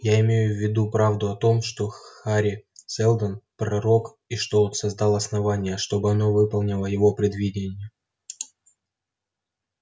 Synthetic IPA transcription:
jaɪmʲejʊvʲːɪd̪upɾavd̪ʊɐt̪o̞mʂt̪o̞xaɾʲɪsɛlˠd̪ənpɾɐɾo̞k | iʂt̪ot̪sɐzd̪ɑlˠɐsnɐvanʲɪjəʂt̪o̞bɨɐnovɨpɐlˠnʲɪlˠəjɪvo̞pɾʲɪd̪vʲidʲɪnʲɪjə

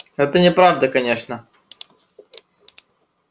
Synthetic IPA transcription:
ɛt̪ənʲɪpɾavd̪əkɐnʲeʂnə

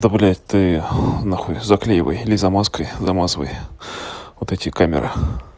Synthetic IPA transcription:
d̪əbɐlʲɛjt̪ɨnɐxodʲɪzɐklʲejɪvə̰jɪlʲɪzɐmaskəjzɐmazəvə̰j | vot̪ɛtʲɪkamʲɪ̰ɾʔɨ̰

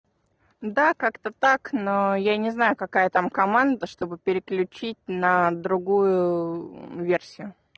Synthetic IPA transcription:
d̪akakt̪ət̪aknojanʲɪznajʊkɐkajət̪amkɐmand̪əʂt̪o̞bɨpʲɪɾʲɪklʲʉt͡ɕit̚ʲnəd̪ɾʊɡujʊ | vʲersʲɪjʊ

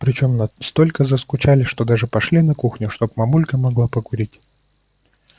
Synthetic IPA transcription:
pɾʲɪt͡ɕo̞mnɐst̪o̞lʲkəzəskʊt͡ɕalʲɪʂt̪o̞d̪aʐɨpɐʂlʲinɐkuxnʲʊʂt̪o̞p̚mɐmulʲkəmɐɡlˠapəkʊɾʲitʲ

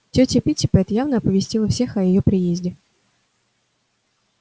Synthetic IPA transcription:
tʲotʲɪpʲitʲɪpɛt̪javnəɐpəvʲɪsʲtʲilˠəfsʲe̞xɐjɪjopɾʲɪjezʲdʲɪ

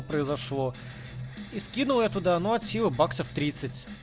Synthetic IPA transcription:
pɾəɪzɐʂlˠo | iskʲinʊlˠəɛt̪ʊd̪ɐnoɐt̪sʲivəbaksəft̪ɾʲit̪sɨtʲ

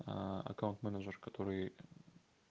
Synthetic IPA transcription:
a̰kawnt̪mænəd͡ʒəɾkat̪ʰoɾɨj

